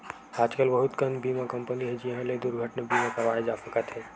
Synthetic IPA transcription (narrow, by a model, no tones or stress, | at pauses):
aːd͡ʒkəlbəɦʊt̪kəmbiːmakɐ̃mpəniɦɛd͡ʒiɦãled̪ʊɾɡʱəʈnebiːmakɐʋaːed͡ʒaːsəkət̪ɦɛː